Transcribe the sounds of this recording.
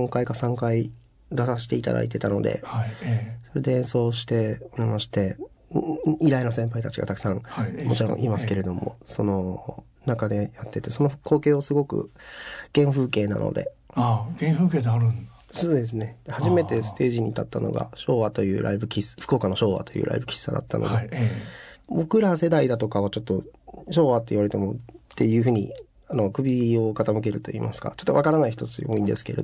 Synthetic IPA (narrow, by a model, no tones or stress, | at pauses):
oŋkaikasãŋkai | d̪asaɕi̥t̪e̞it̪a̰d̪a̰it̪̬e̞t̪ano̞d̪e̞̰haiso̞ɾe̞d̪e̞ẽ̞ɰ̃so̞ːɕ̬i̥t̪e̞omimaɕi̥t̪e̞ | iɾainosẽ̞mpait̪at͡ɕiɡa̰t̪akɯ̥sãŋhamo̞t͡ɕiɾõʔimasɨ̥ke̞ɾe̞d̪o̞mo̰so̞no̞ | nakad̪e̞jat̪ːe̞t̪e̞so̞no̞kʰo̞ːke̞ːosɨɡo̞kɯ̟̰ɡ̥ẽ̞ɰ̃ɸɯ̟ːke̞ːna̰no̞̰d̪e̞̰aɡẽɰ̃ɸɯːkeːd̪eaɾɯ̟̃n | soːd̪e̞s̬ɨne̞d̪̥ehaʑime̞t̪e̞sɨ̥t̪e̞ːʑiɲ̟it̪at̪ːano̞̰ɡa̰ɕo̞ːβat̪o̞jɯ̟̰ːɾʔa̰ibɯ̟kʲisɸɯ̟̥ko̞ːkano̞ɕo̞ːβa̰t̪o̞jɯ̟̰ːɾʔa̰ibɯ̟kʲi̥sːa̰d̪a̰t̪ːa̰no̞̰de | bo̞kɯ̟ɾase̞d̪aid̪at̪o̞kaβ̞at͡ɕo̞t̪ːo̞ɕo̞ːβat̪ːe̞iβaɾe̞t̪emot̪ːe̞jɯ̟ːɯ̟ːɲ̟ḭ | ano̞kɯ̟bʲio̞kat̪amɯ̟k̬e̞ɾɯ̟t̪o̞ḭːmasɨ̥ka̰t͡ɕo̞t̪ːakaɾanaiçi̥t̪o̞t͡sɨjo̞̰ːĩnd̪e̞sɨ̥ke̞ɾḛ